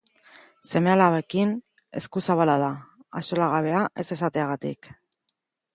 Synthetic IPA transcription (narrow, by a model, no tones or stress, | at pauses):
se̞me̞alaβekin | e̞̰skusaβalað̞aa̰so̞laɣ̞aβ̞e̞aʔe̞se̞sat̪e̞aɣat̪ḭk